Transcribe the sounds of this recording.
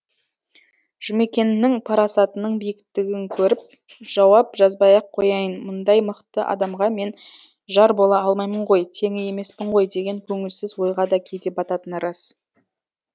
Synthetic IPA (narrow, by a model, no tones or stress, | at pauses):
ʒ̥ʏme̞kʲe̞nːɪŋpʰɑɾɑsɑt̪ənəɴbijɪkʲt̪ːɪɡʲɪŋkʲʰɵɾɪp̚ | ʒ̥ɑwɑp̚ʒɑzbɑjɑqʰːo̞jɑjənmʊnd̪ɑjməqt̪əʔɑ̰d̪ɑmʁɑme̞n | ʒɑɾbolˠɑɑlˠmɑjməɴʁo̞jt̪ʰe̞ŋɪje̞me̞spɪɴʁo̞jd̪e̞ɡʲe̞ŋkʲʰɵŋɪlsɪzwo̞jʁɑd̪ɑkʲʰe̞jd̪e̞pɑt̪ɑt̪ənɾɑs